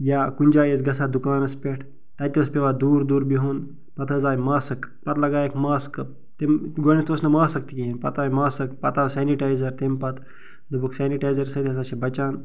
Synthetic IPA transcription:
jaːkunʲd͡ʒaːjet͡sɡɐsaːd̪ukaːnɐspʲeʈʰ | t̪ɐt̪ʲospʲeʋad̪uːɾd̪uːɾbiɦoːn | pɐt̪ʰəzaːjmaːsɨkpɐt̪lɐɡaːjekmaːskə | t̪emɡonit̪oːsnɐmaːsɐkt̪ikʲiinpɐ̰t̪aːjmaːsɐkpɐt̪aːwsaːniʈaːjzɐɾt̪empɐt̪ | d̪ɐbuksaːniʈaːjzɐɾsɐt̪ʰʲiɐs̬aʃebɐt͡ʃaːn

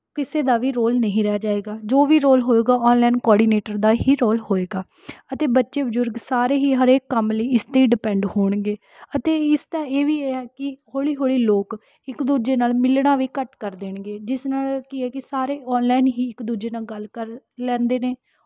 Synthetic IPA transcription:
kɪseːd̪aːʋiːɾoːlnəɦĩːɾɛaːd͡ʒaːeːɡaːd͡ʒoːʋiːɾoːlɦoːeːɡaːɔːnlɛːnkɔːɖiːneːʈəɾd̪aːɦiːɾoːlɦoːeːɡaː | ət̪eːbətːʃeːbəd͡ʒʊɾɡsaːɾeːɦiːɦəɾeːkːəmləiːɪst̪əiːɖɪpɛ̃ːɳɖhoːɳɡeː | ət̪eːɪst̪ãːeːʋiːeːɛːkɪhoːɭiːɦoːɭiːloːk | ɪkd̪uːd͡ʒeːnaːlmɪlɳaːʋiːkəʈkəɾd̪eːɳɡeːd͡ʒɪsnaːlkɪɛːkɪsaːɾeːɔːnlaɪnɦiːɪkd̪uːd͡ʒeːnaːlɡəlkəɾ | lɛ̃ːnd̪eːneː

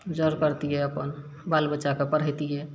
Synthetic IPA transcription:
d͡ʒəɾkəɾt̪iɦɛəpən | balbəːt͡ʃakepəɾɦəjt̪iɦɛ

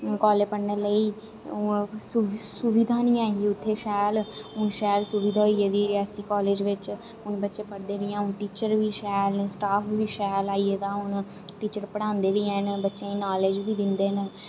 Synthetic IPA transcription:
kɔːleːpəɽnələiː | sʊsʊʋɪd̪ʱaːnĩːaːɦiːʊt̪ʰːeːʃɛːlʊnʃɛːlsʊʋid̪ʱaːɦoieːd̪iːɾɛːsiːkɔːleːd͡ʒʋɪt͡ʃ | ʊnbətːʃẽːpəɽd̪eːʋiːãːʊnʈiːt͡ʃəɾʋiːʃɛːlnesʈaːpʰʋiːʃɛːlaːiːeːt̪ãːʊn | ʈiːt͡ʃəɾpəɽãːnd̪eːʋiːɛ̃ːnbətːʃẽːiːnaːleːd͡ʒʋiːd̪ɪnd̪eːn

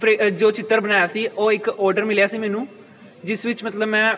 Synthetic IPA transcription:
pɾed͡ʒoːt͡ʃɪt̪ːəɾbənaːjaːsiːʔoːɪkɔːɾɖəɾmɪljaːsiːmɛːnũː | d͡ʒɪsʋɪt͡ʃmət̪ləbmɛ̃ː

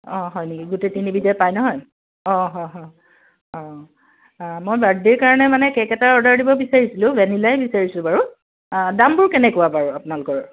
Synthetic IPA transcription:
ɔ̃ɦɔjnikiɡutetinibidjɔpajnɔɦɔj | ɔ̃ɦɔ̃ɦɔ̃ | ɔ̃ | mojbadiɹkaɹɔnɛmanɛkɛkɛtaɹɔdaɹdibɔbisaɹisilʊ̃bɛnilajɛbisaɹisʊ̃baɹu | dambʊɹkɛnɛkɔapaɹuapʊnalʊkɔɹ

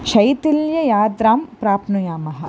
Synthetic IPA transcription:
ʃɐjt̪iljɐjaːd̪ɾaːmpɾaːpnujaːmɐɦɐ̆

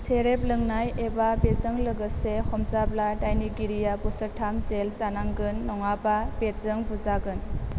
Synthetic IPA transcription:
seɾep̚lɯŋnajebabezəŋləɡɯsehɔmzabladajniɡiɾijabɔsəɾtʰamzelzanaŋɡɯnːɔŋababezəŋbuzaɡɯn

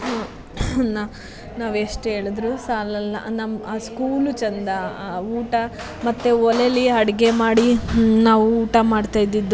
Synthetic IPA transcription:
ɦa | na | naːʋeʂʈɦe̞ːɭid̪ɾusaːlɐl̰nɐmaːskuːlut͡ʃɐnd̪ɐuːʈɐ | mɐt̪ːeɔleliɐɽiɡe̞maːɽinaːʋuuːʈɐmaːɖt̪ajd̪id̪ːu

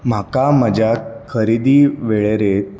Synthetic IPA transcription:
m̤akaməd͡ʑʱakʰəɾid̪iːʋeɭeɾet̪

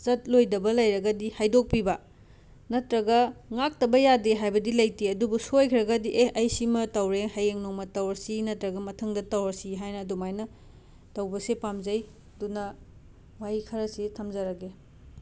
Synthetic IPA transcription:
zɐt̚lojdɐbɐlɐjɾɐɡɐdihajdok̚pibɐ | nɐtɾɐɡɐŋak̚tɐbɐjadeɦajbɐdilɐjtiɐdubusojkʰiɾɐɡɐdiʔeɐjsimɐtɐwɾehajeŋnoŋmɐtɐwɐɾsinɐtɾɐɡɐmɐtʰɐŋdɐtɐwɐɾsiɦajnɐːdumajnɐ | tɐwbɐsepamzɐj | dunɐ | wajikʰɐɾɐsitʰɐmzɐɾɐɡe

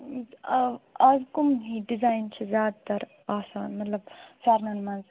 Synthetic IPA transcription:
azkumɦiɖizaːjnt͡ʃʰizjaːd̪̚t̪ɐɾ | aːsaːnmɐt̪lɐbsaːɾnɐnmɐnz

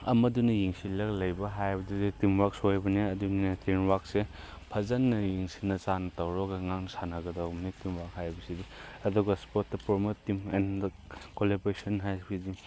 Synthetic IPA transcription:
ɐmɐdunɐjiŋsilɐklɐjbɐɦajbɐduditimwak̚sojbɐniɐdunetʰinwak̚se | pʰɐzɐnːɐjiŋsinɐsanɐtɐwɾɔɡɐŋaŋnɐsanɐɡɐdɐmnitimwak̚hajbɐsidiɐduɡɐspotːɐpɔmotːimḛnd | kolebɾesɐnɦajbidi

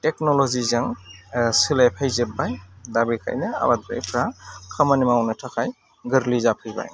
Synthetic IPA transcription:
tɛknɔlɔzizaŋsilajpʰajzebːajdabikʰa̰jnɛa̰bat̪ɾa̰jpʰɾakʰamanimawnɯtʰakʰaj | ɡɯɾlizapʰɯjba̰j

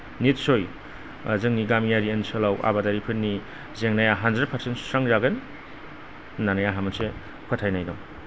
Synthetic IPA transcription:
nit̚soj̰ | zɯŋniɡamijaɾiensolawʔa̰badaɾipʰɯnːi | zeŋnajaɦandɾed̚pʰɐɾsentsaŋzaɡen | nanajaɦamɐnse | kʰɯtʰajnajɾɔm

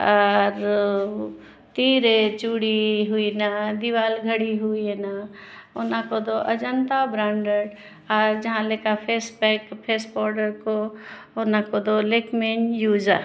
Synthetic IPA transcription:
ɔːɾ | t̪iːɾet͡ʃuːɽiɦuinad̪iʋaːlɡʱəɽiɦuiena | ʊnãkod̪oʔəd͡ʒənt̪abɾãːɳɖəɽ | ɔːɾd͡ʒɐɦãlekapʰeːsbɛkpʰeːspɔːɾɖəɾko | onãkod̪oleːkmenjuːd͡ʒa

